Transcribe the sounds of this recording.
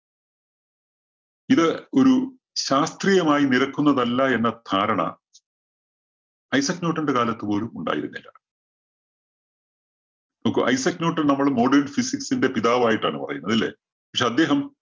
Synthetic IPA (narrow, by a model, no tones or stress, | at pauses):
iðɨo̞ɾu | ɕaːst̪rijɐmaːjiniɾɐkːun̪ːɐðɐlːɐe̞nːɐt̪ʰaːɾɐɳɐ̰ | ɐjsɐkno̞ːʈːɐnɖekaːlɐt̪ːɨpo̞ːlumuɳɖa̰ːjḭɾṵnːḭlːɐ̰ | nɐokːɨʔɐ̰jsɐknoːʈːɨnɐmːɐɭmo̞ːɖernfisiksinde̞piðaːʋaːjiʈːa̰ːɳɨpɐ̰rɐ̰junːɐðilːe̞̰ | pɐkʂeɐd̪ːe̞ːɦɐm